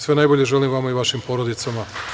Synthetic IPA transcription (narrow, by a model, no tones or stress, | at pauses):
sʋenajbo̞ʎe̞ʒelimʋamaiʋaʃimpo̞ːɾod̪it̪sama